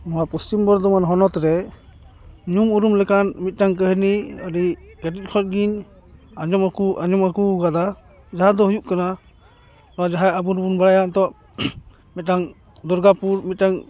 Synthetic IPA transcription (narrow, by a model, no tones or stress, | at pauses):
mɔɦapustimbɔɾd̪ɔmanɦɔnɔt̪ɾɛ | ɲumuɾumlɛkanmit̪̚ˀtaŋk̬əɦniaɾiɡatit̚kʰɔt̚ɡin | aɲɔmakuʔaɲɔmakuɡad̪a | d͡ʒaɦad̪ɔɦujup̚kana | nɔad͡ʒaɦajabuɾbunbaɽajant̪ɔ | mit̪̚naŋ | d̪ɔɾɡapuɾmit̪̚taŋ